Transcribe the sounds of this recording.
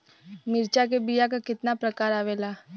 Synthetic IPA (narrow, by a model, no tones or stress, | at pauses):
mɪɾt͡ʃak̬ebijakakɪt̪napɾɐkaːɾaːʋeːlaː